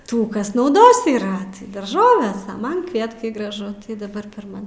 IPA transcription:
ˈtuː ˈkɐs nɐʊˈdoːs iːˈrɐ tɐɪ dɐrˈʒoːʋʲɛs ɐ ˈmɐn ˈkʋʲiɛtkɐɪ ɡrɐˈʒʊ tɐɪ dɐˈbɐr pʲɛr ˈmɐn

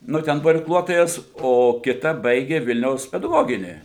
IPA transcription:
ˈnʊ ˈtʲɛn ˈbuɔ ɪrkˈlˠuɔtoːjɛs oː kʲɪˈtɐ ˈbɐɪɡʲeː ˈʋʲɪlʲnʲɛʊs pʲɛdɐˈɡoːɡʲɪnʲiː

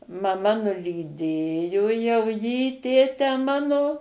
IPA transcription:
mɐˈmɐ nʊlʲiːˈdʲeːjoː jɛʊ jiː ˈtʲeːtʲæː ˈmɑːnoː

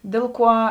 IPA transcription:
ˈdʲeːlˠ ˌkuɔ

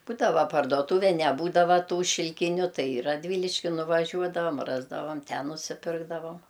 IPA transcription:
ˈbuːdɐʋɐ pɐrduɔˈtuːʋʲɛ nʲɛˈbuːdɐʋɐ ˈtuː ʃʲɪlʲˈkʲɪnʲʊ ˈtɐɪ ɪ rɐdʲˈʋʲiːlʲɪʃʲkʲɪ nʊʋɐˈʒʲuɔdɐʋɐm ˈrɑːzdɐʋɐm ˈtʲɛn nʊsʲɪˈpʲɪrɡdɐʋɐm

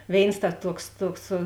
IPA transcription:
ˈʋʲeːɪns tɐ ˈtuɔks ˈtuɔks

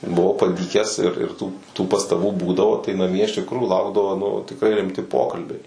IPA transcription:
bʊˈʋɐʊ pɐˈdʲiːkʲæːs ɪr ɪr tuː tuː pɐstɐˈbuː ˈbuːdɐʋoː tɐɪ nɐˈmʲiɛ ɪʃ tʲɪkˈruːjuː ˈlˠɐʊɡdɐʋoː nʊ tʲɪkˈrɐɪ rʲɪmʲˈtʲɪ ˈpoːkɐlʲbʲɛɪ

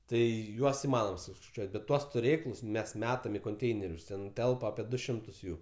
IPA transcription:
ˈtɐɪ ˈjuɔs ɪˈmɑːnoːm sʊskɐɪˈt͡ʃʲuɔtʲ bʲɛt ˈtuɔs tʊˈrʲeːklˠʊs ˈmʲɛs ˈmʲæːtɐm ɪ koːnʲˈtʲɛɪnʲɛrʲʊs ˈtʲɛn ˈtʲɛlˠpɐ ɐpʲiɛ ˈdʊ ˈʃʲɪmtʊs ˈjuː

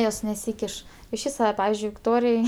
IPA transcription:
ˈjoːs nʲɛˈsʲiːkʲɪʃ ɪʃʲˈʋʲiːs ʋɐ ˈpɑːʋʲɪzʲd͡ʒʲʊɪ ʋʲɪkˈtoːrʲɪj

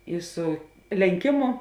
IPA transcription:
ˈɪ ˈsʊ lʲɛŋʲˈkʲɪmʊ

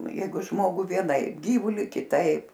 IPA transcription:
ˈjɛɪɡʊ ˈʒmoːɡʊ ʋʲiɛˈnɐɪp ˈɡʲiːʋʊlʲɪ kʲɪˈtɐɪp

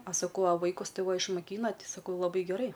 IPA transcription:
ɐ sɐˈkɐʊ ɐ ˈʋɐɪkʊs ˈtɐɪ ˈʋɐ ɪʃmoːˈkʲiːnɐ ˈtʲɪ sɐˈkɐʊ lˠɐˈbɐɪ ɡʲɛˈrɐɪ

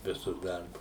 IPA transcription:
ˈʋʲɪsʊs ˈdɐrbʊs

